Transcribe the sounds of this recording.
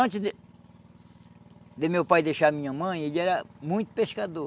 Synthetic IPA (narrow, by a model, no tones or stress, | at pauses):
ɐ̃t͡ʃ̪ɪd̪ | d̪ɪmewpajd̪ejʃaɐmĩɲɐmɐ̃j̃eʎɛɾɐmũj̃t̪ʊ̥peskad̪o